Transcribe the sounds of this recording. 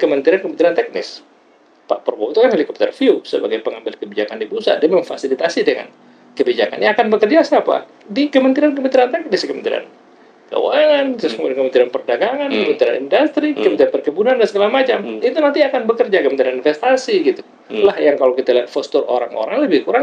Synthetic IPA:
kəmənt̪iɾankəməniɾant̪ɛk̚nɪ̰s | pa̰ʔpərbawt̪ukanhalikɔp̚t̪ə̰rfiusə̰baɡajpəŋambɪlkəbid͡ʒakandibusa̰diaməŋfa̰silit̪asidəŋa̰n | kəbid͡ʒaka̰nʔakanbəkərd͡ʒasapa̰ | dikəmənt̪iɾankəmənt̪iɾant̪ɛk̚nɪskəmənt̪ḭɾa̰n | kə̰waŋant̪skəmudankəmənt̪iɾanpərdaɡaŋankəmənt̪iɾa̰nḭndast̪ɾikəmənt̪iɾanpərkəbunandansəɡalamat͡ʃamit̪unant̪iakanbəkərd͡ʒakəmənt̪iɾaninfɛst̪asiɡit̪u | lahjaŋkalowkit̪aliat̪fɔst̪uro̰ɾa̰ŋo̰ɾaŋləbɪhkuɾaŋ

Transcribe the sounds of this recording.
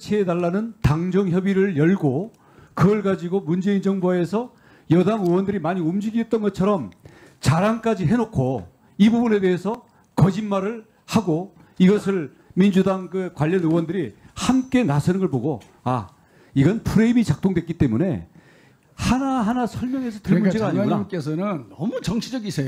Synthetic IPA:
t͡ɕʰeedaɭːanɯntaŋd͡ʑʌŋçjʌbiɾɯɭjʌɭɡo | kɯʌɭɡad͡ʑiɡomund͡ʑe̞ind͡ʑʌŋboe̞sʰʌ | jʌdaŋɯwʌndɯɾimaɲiumd͡ʑiɡidet̚t͈ʌnɡʌt͡ɕʰʌɾʌm | t͡ɕaɾaŋk͈ad͡ʑiɦe̞nokʰo | ibubune̞de̞ɦesʰʌ | kʌd͡ʑinmaɾɯɭ | haɡo | iɡʌsʰɯɭ | mind͡ʑudaŋkɯkwaʎːʌnɯwʌndɯɾi | hamk͈e̞nasʰʌnɯnɡʌɭboɡo | a | iɡʌnnpʰuɾe̞imit͡ɕak̚t͈oŋdwe̞k͈it͈e̞mune̞ | hanaɦanasʰʌɭmjʌŋe̞sʰʌtɯɭmund͡ʑeɡaaɲiaɡunaik͈es̬ʰʌnɯnʌmut͡ɕʌŋɕʰid͡ʑʌɡisʰeo

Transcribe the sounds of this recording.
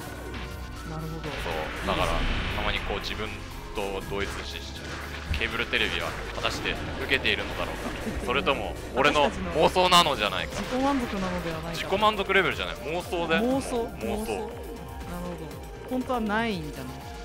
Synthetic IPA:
naɾɯ̟ɦod̪oso̞̰ːd̪akaɾa̰t̪amaɲ̟iko̞ːd͡ʑibɯ̟̃n | t̪o̞d̪o̞ːit͡sɨeɕieɕi̥d͡ʑa̰na | kʲʰe̞ːbɯ̟ɾɯ̟t̪e̞ɾe̞bʲiβa̰ | hat̪aɕi̥d̪e̞ | ɯ̟ke̞t̪e̞iɾɯ̟no̞d̪a̰ɾo̞̰ːka̰so̞ɾet̪o̞mo̞ː | ɾe̞no̞nmoːso̞ːnano̞d͡ʑana̰ikaikomãnzokɯnanod̪e̞βanaid͡ʑiko̞mãnzo̞kɯ̟ɾe̞be̞ɾɯ̟ʑana̰imo̞ːso̞ːd̪emoːsoːmoːsoː | naɾɯ̟hod̪o | hõnt̪o̞βanaiɲd͡ʑanai

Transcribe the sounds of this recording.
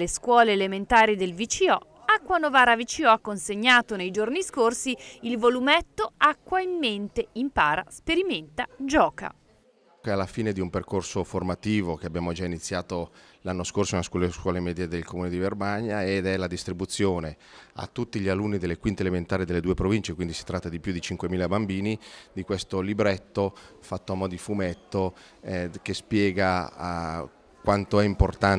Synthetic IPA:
leskwɔːleːlement̪aːɾid̪elvit͡ʃiɔ | akːwanovaːɾavit͡ʃiɔakːonseɲːaːt̪onejd͡ʒorniskorsiilvolumɛt̪ːoakːwaimːent̪eimpaːɾa̰speɾiment̪ad͡ʒɔːka̰ | kɛalːafiːned̪iumperkorsoformat̪iːvok̟eabjaːmod͡ʒainit̪sːjaːt̪olanːoskorsoinaskɔlskwɔːlemɛːd̪jed̪elkomuːned̪ivermaɲːaed̪ɛlad̪ist̪ɾibut̪sːjoːne | a̰t̪ːut̪ːiʎialunːid̪elːekwint̪element̪aːɾid̪elːed̪uːepɾovint͡ʃekwind̪isi̥t̪ɾat̪ːad̪ipjud̪it͡ʃiŋkwemiːlabambiːnid̪ikwest̪olibɾɛt̪ːofat̪ːoamɔd̪ifumɛt̪ːo | ɛkespjɛːɡa | kwant̪oɛimport̪an

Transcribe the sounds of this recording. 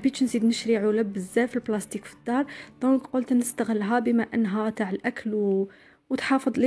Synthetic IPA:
bit̪ʃnsid̪nəʃɾiʕuləbːəzːæfilblæst̪ikfi̥d̪ːɑɾˤd̪̥ɔ̃kqolt̪nəst̪əɣəlːɦæbəmæʔənːɦæt̪aʕəlʔækʰəl | wt̪ħɑfəd̪ˤli

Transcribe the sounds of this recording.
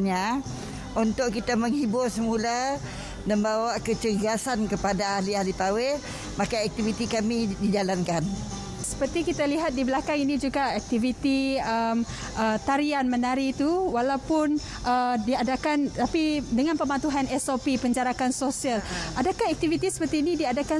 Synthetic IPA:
ɲa | unt̪ʊʔkit̪aməŋhibʊrsəmula | nəmbawaʔkət͡ʃəɡasankəpadaalialip̪awe | makaɛk̚t̪ivit̪ikamidid͡ʒalankan | sə̥pərt̪ikit̪aliɦat̪̚dibəlakaŋinĩd͡ʒuɡaɛk̚t̪ivit̪iəm | ʔət̪aɾianmənaɾit̪uwalawpʊn | ʔədiadakant̪apidəŋanpəmant̪uɦanɛsopipəɲd͡ʒaɾakansosialʔadakahɛk̚t̪ivit̪isə̥pərt̪iːnidiadaka

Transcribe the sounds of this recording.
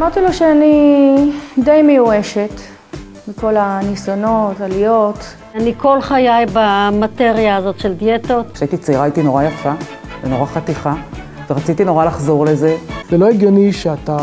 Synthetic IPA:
amaʁt̪ilo̞ʃeani | dejmejueʃet | beko̞lanisono̞talijo̞t̪ | aniko̞lχajajbamat̪e̞ʁjaːzo̞tʃeldijet̪otʃait̪it͡saiʁait̪ino̞ʁajafa | veno̞ʁaχat̪iχa | veʁat͡sit̪ino̞ʁalaχzo̞ʁle̞ze̞zelo̞eɡjo̞niʃeat̪a

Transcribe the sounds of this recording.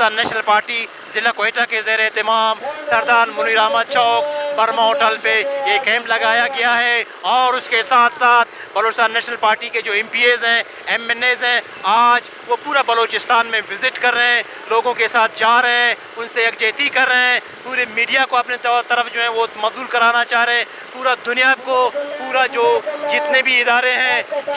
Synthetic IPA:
aːnːɛːʃnəlpaːɾʈi | zɪlakoeːʈakezɐɦɾeɦt̪ɪmaːmsɐɾd̪aːɾmʊniːɾaːməd̪̚ʃɔːkpɐɾmaoːʈəlpeeːkɛːmplɐɡaːjaɡɐjaɦɛ | ɔːɾʊskesaːt̪ʰsaːt̪ʰ | bɐloːt͡ʃst̪aːnːɛːʃnəlpaːɾʈiked͡ʒoːɛ̃mpiːeːzɦɛ̃ | ɛːmɛneːzɦɛ̃ | aːd͡ʒ | ʋopuːɾabɐloːt͡ʃɪst̪ʰaːnmẽʋɪzɪʈkɐɾːeɦɛ̃ | loːɡõkesaːt̪ʰd͡ʒaːɾɐɦɛ̃ | ʊnseːkd͡ʒeːt̪ikɐɾːeɦɛ̃ | puːɾemiːɖijakoɐpnet̪ɔt̪ɐɾəfd͡ʒoːɦɛ̃ʋomɐfzuːlkɐɾaːnat͡ʃaːɦɾeɛ̃ | puːɾad̪ʱʊnɪjaːb̚kopuːɾad͡ʒoːd͡ʒɪt̪nebʱiɪd̪aːɾeɦɛ̃

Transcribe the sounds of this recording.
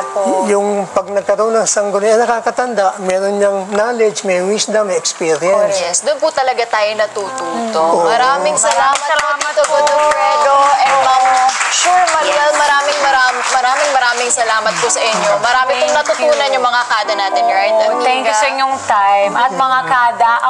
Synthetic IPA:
jʊŋpɐɡ̚nɐɡ̚kɐɾɐonɐŋsɐŋɡonɛɐnɐkaːkɐt̪ɐnd̪aʔmɛːɾonɲɐŋnaːlɛd͡ʒmɐjwisd̪ɐmɛkspiɾɛnsjɛsd̪ʊnput̪ɐlɐɡat̪aːjonɐt̪uːt̪uːt̪omɐɾaːmɪŋsɐlaːmɐt̪ːɐɐt̪oɡ̪od̪opɾɛːd̪oɛɐʃumɐɡɐlmɐɾaːmɪŋmɐɾaːmmɐɾaːmɪŋmɐɾaːmɪŋsɐlaːmɐt̪̚kosɐʔɪɲːomɐɾaːmɪpʊŋnɐt̪ʊt̪uːnɐnjʊŋmɐŋakaːd̪ɐnaːt̪ɪnɾaj̪loŋsɪɲoŋt̪ajmɐt̪̚mɐŋakaːd̪ɐ

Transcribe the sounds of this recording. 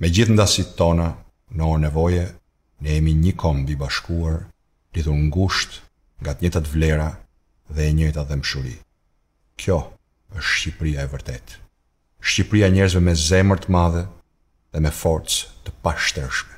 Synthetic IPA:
mɛd͡ʑiθnd̪asit̪ɔna | nɔnɛvɔjɛ | nɛjɛmiɲəkʰɔmbibaʃkuaɾ | liðuɾŋɡuʃt̪ | ŋɡat̪əɲɛt̪at̪əvlɛɾa | ðɛːɲəjt̪aðɛməʃuɾḭ | kʰjɔ | əʃʃcipɾiaɛvəɾt̪ɛt̪ | ʃcipɾiaɛɲɛɾzvɛmɛzɛməɾt̪əmaðɛ | ðɛmɛfɔɾt͡st̪əpaʃt̪ɛɾʃmɛ

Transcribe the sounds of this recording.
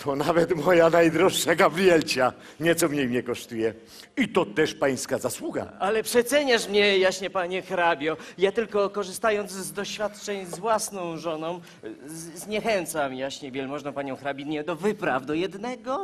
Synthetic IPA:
t̪ʰɔnavɛt̪mɔjanajd̪ɾɔʂːaɡabɾʲijɛlt͡ɕa | ɲɛt̪sɔmɲejmɲɛkɔʂt̪ujɛ | it̪ɔt̪ɛʂpaj̃skazaswuɡa̰alɛpʂɛt̪sɛɲaʂmɲɛjaɕɲɛpaɲɛxɾabʲjɔjat̪ɘlkɔkɔʐɨst̪ajɔnd̪zzd̪ɔɕfʲjat̪t͡ʂɛɲzvwasnɔ̃w̃ʐɔnɔ̃w̃ | zɲɛxɛnt̪samjaɕɲɛvʲjɛlmɔʐnɔ̃paɲɔ̃w̃xɾabʲinɲɛd̪ɔvɘpɾavd̪ɔjɛd̪nɛɡɔ

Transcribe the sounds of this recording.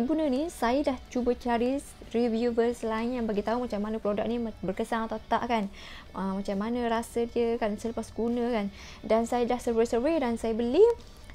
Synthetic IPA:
ənpunənisajədaht͡ʃubət͡ʃaɾis | rivjuvəslaɪnjaŋbaɡit̪aumat͡ʃamːanapɾodak̚nibərkəsaŋat̪awt̪a̰ʔkan | əmat͡ʃamːanãɾasədiəkansələpasɡunə̃kan | dansajədahsəwesərwedansajəbəli

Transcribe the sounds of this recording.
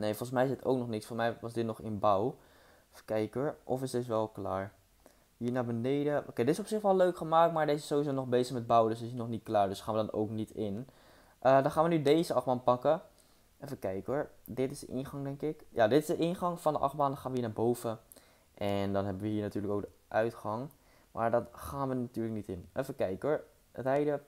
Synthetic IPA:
nejfɔlˠχənsmɛjɪsdɪto̰wk̚nɔχnɪktsfɔl̩ˠsmɛjʋɑzdɪt̚nɔχɪnbaw | fəkɛjkɦɔɹʔɔfɪsds̬ʋɛlˠklaːɹ | ɦiːɹnaːɹbənejdəʔo̰wkejdɪtɪsɔpsɪχʋɛlˠøɥkχəmaːktmaːɹdɪtɪsɪ̥sːowʋizownɔχbejzəχmɛd̚bawdsdɪtɪsnɔχnit̚klaːɹdɵsχaːnʋədɑno̰wknitɪn | ʔədɑnχaːnʋənydejzəɑχbaːnpɑkə | ɛfəkɛjkɦɔɹ | dɪtɪ̥zdəʔɪ̰nχɑŋdɛŋkɪkjadɪtɪzdəʔɪnχɑŋfɑndəʔɑ̰χbaːndɑnχaːnʋəɦiːɹnaːɹbowvə | ʔɛndɑnɦɛbəʋəɦiːɹnatyːɹləkowk̚də | ʔœɥtχɑŋ | mʔa̰ːɹdɑtχaːnʋənatyːɹlək̚nitɪnʔɛfəkɛjkəɦɔɹ | rɛjdə

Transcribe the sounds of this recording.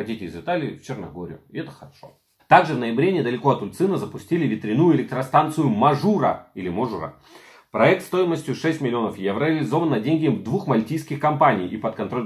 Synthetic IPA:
ɐtʲitʲɪɪzɨt̪alʲɪɪft͡ɕɪrnɐ̰ɡo̞ɾʲɪ̰jʊɪɛt̪ə̥xəɾɐʂo̞̰ | t̪aɡʐɨvnəjɪbɾʲenʲɪd̪əlʲɪko̞ɐt̪ʊt̪sɨnəzəpʊsʲtʲilʲɪvʲɪt̪ɾʲɪnujʊɪlʲɪk̚t̪ɾɐst̪ant̪sɨjʊmɐʐuɾə̰ilʲɪmoʐuɾə̰ | pɾɐɛk̚t̪st̪o̞jɪməsʲtʲjʊʂɛsʲtʲmɪlʲɪo̞nəfjɛvɾəɐlʲɪzo̞vənːɐdʲenʲɡʲɪəmvd̪vuxmɐlʲtʲijskʲɪxkɐmpanʲijʔipət̪kɐnt̪ɾo̞lʲ

